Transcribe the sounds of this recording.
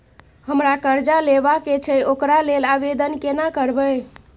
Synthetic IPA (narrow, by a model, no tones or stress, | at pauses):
həmɾakəɾd͡ʒalebaket͡ʃʰɛokɾalelabed̪ənkenakəɾbəj